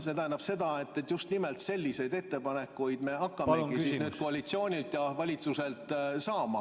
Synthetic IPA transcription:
se̞t̪æɦenɑb̥se̞d̪ɑet̪ˑːet̪ːjust̪nimelt̪se̞lʲːise̞jd̪e̞t̪ːe̞pɑne̞kːˑujd̪̥me̞ɑkːɑmekisisnyːd̪̥̚ko̞ɑlʲit̪sio̞ːnʲilt̪jɑvɑlʲit̪suse̞ltt̪ˑsɑːmɑ̰

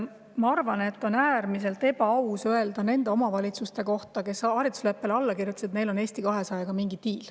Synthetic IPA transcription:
mɑɑrvɑne̞t̪ːo̞næːrmis̬e̞lt̪e̞bɑɑwsøe̞ld̪ɑne̞nd̪e̞o̞mɑvɑlʲit̪sust̪e̞ko̞ht̪ɑke̞sɑɾit̪ːˑu̥slepːe̞lɑlːɑkirjut̪ːˑɑset̪ne̞jlo̞ne̞ːsʲt̪ikɑɦe̞sɑjɑɡ̥ɑmiŋɡit̪iːl

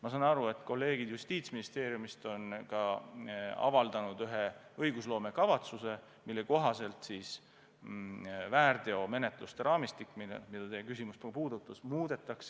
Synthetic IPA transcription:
mɑsɑːnɑɾue̞t̪ːˑko̞lːe̞ːɡ̥id̪̥just̪iːt̪sminist̪e̞ːɾjumist̪o̞nkɑ | ɑ̰vɑld̪̥ɑnud̪yɦeɤjɡ̥uslo̞ːme̞kɑvɑt̪suse̞ | milːeko̞ɦɑse̞lt̪siːs | væːrd̪̥e̞o̞me̞net̪ˑlust̪e̞ɾʔɑːmist̪ikːmin̰mid̪̥ɑt̪ejkysimusppuːd̪̥ut̪ːˑusmuːd̪̥e̞t̪ːˑɑks

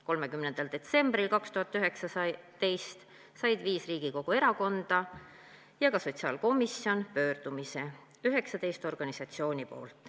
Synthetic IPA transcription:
ko̞lmekymnend̪̥ɑld̪̥e̞t̪se̞mb̥ɾilkɑkst̪uhɑt̪ˑːyɦe̞ksɑsɑt̪e̞jst̪ | sɑjd̪̥viːsriːɡ̥iko̞ɡ̥ue̞ɾɑko̞nd̪̥ɑ | jɑɡɑso̞t̪ʲsiɑ̰ːlko̞miso̞npø̞ːrd̪̥umise̞ | yɦe̞ksɑt̪e̞jst̪o̞rɡ̥ɑnisɑt̪sio̞ːnʲipo̞ːlt̪ˑ

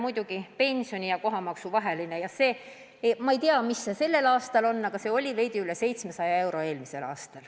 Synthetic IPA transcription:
mujd̪̥uɡ̥ipe̞nʲsio̞nʲijɑko̞ɦɑmɑksuvɑɦe̞line̞jɑse̞ː | mɑejt̪iɑmisːese̞lːe̞lɑːst̪ɑlo̞nːɑɡ̥ɑse̞ːo̞lʲive̞jd̪iylese̞jt̪sme̞sɑjɑe̞wɾo̞e̞ːlmise̞lɑ̰ːst̪ɑl

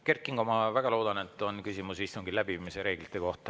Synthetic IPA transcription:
ke̞rkːˑiŋɡomɑvæɡ̥ɑlo̞ːd̪ɑne̞t̪ːˑo̞nkysimusist̪uŋɡ̥ilæb̥iiːmiseɾe̞ːɡ̥lit̪ːˑe̞ko̞ht̪ɑ

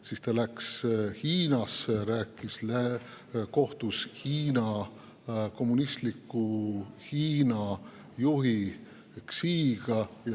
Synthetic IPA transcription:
sist̪ɑlækshiːnɑseɾæːkːˑislæ | ko̞ht̪ushiːnɑ | ko̞mːunist̪likːˑuhiːnɑ | juɦi | ksiːɡ̥ɑ

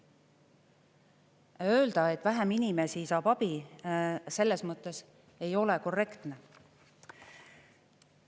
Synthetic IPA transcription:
ø̞ːld̪̥ɑe̞t̪ːˑvæɦæminime̞sisɑːb̥ɑb̥i | se̞lːe̞smɤt̪ːˑe̞s | e̞jo̞le̞ko̞rːe̞kt̪ne̞

